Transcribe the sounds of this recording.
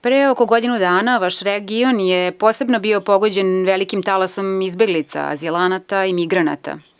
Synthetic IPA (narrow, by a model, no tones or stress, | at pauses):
pɾeokoɡo̞d̪inud̪aːnaʋaʃɾeɡionjepo̞ːsebnobio̞po̞ɡo̞d͡ʑenʋelikimt̪alasomizbe̞ɡlit̪sa̰a̰zilanat̪aimiɡɾana̰t̪a̰